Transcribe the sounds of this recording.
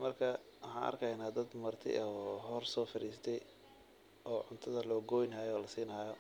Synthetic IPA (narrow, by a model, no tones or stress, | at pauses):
mɐrkʰɐ | wʊħɑːnʔɐ̰rkʰɐjnaːd̪ɐd̪mɐrt̪ʰɪ̰ɔɦɔrsɔːfɪɾiːst̪ʰɛj | ɔːʕʊnt̪ʰɐðɐlɔːɡɔjnaːjɔːlɐsiːnɐːjɔ